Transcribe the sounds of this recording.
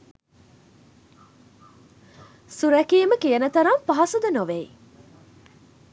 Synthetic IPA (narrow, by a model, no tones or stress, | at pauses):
suɾækijəməkijənət̪ɐɾampaɦɐsud̪ɐnoʋej